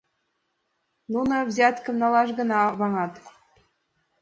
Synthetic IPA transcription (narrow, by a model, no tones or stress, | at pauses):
nunɤ̆vzʲɑt̪kɤ̆mnɑlˠɑʃɡɤ̆nɑβɑŋɑt̪